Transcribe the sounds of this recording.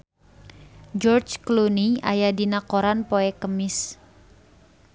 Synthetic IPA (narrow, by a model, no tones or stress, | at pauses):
d͡ʒɔrt͡ʃklunia̰jadinakoɾanpoɛkəmɪs